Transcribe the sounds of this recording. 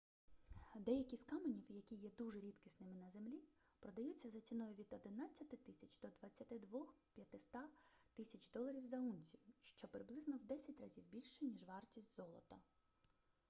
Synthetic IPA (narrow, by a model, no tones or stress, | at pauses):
d̪ɛjɐkʲiskɑmenʲiwjɐkʲijɛd̪uʒɛɾʲit̪kʲisnɪmɪnɐzemlʲi | pɾɔd̪ɐjut͡sʲːɐzɐt͡sʲinɔjʊʋʲid̪ɔd̪ɪnɑt͡sʲːɐt̪ɪt̪ɪsʲɐt͡ʃd̪̥ɔd̪ʋɐt͡sʲːɐt̪ɪd̪ʋɔxpʲjɐt̪ɪst̪ɑt̪ɪsʲɐt͡ʃd̪ɔlˠɐɾʲiwzɐunʲzʲijʊʃt͡ʃɔpɾɪblˠɪznɔwd̪ɛsʲɐtʲrɐzʲiwbʲilʲʃɛnʲiʒʋɑrtʲisʲtʲzɔlˠɔt̪ɐ